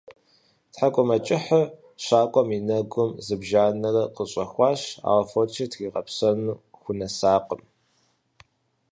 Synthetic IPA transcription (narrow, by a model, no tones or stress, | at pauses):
tħakʷʼɔmɐt͡ʃʼɪħə | ɕaːkʷʼɔminɐɡʷʊmzɨbʒaːnɐrɐqəɕʼɐxʷɑːɕa̰ːwɐfot͡ʃʰɐtʰɣiːʁɐ̰psɐnuːxʷʊnɐsaːqəm